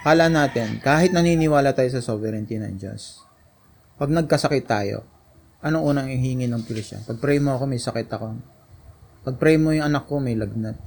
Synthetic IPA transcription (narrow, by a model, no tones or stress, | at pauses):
kaːlɐʔanaːt̪ɛnkaːhɪt̪̚nɐniːnɪwaːlɐt̪aːjosɐsovɛɾɛnt̪inɐ̰ŋd͡ʒo̰s | pɐɡ̚nɐɡ̚kɐsɐkɪt̪ːaːjo̰ | ʔɐnoŋʔuːnɐŋɪhiŋɪnɐŋpɾɪʃɐ̰pɐɡ̚pɾɛjmoɐko̞mɐjsɐkɪt̪ɐko̞ | pɐɡ̚pɾɛjmojʊŋɐnɐkːo̞mɐjlɐɡ̚nat̪̚